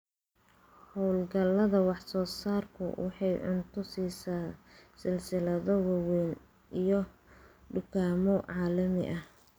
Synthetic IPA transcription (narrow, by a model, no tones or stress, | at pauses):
hɔwlɡɐlːɐðɐwɑħsɔːsaːrkʰʊ̰wɑ̰ħɑjʕʊ̰nt̪ʰʊsiːsaːsɪlsɪlɐðɔwɑwɛːn | ʔijɔɖʊkʰaːmɔʕɑːlɐmɪ̰ʔɐh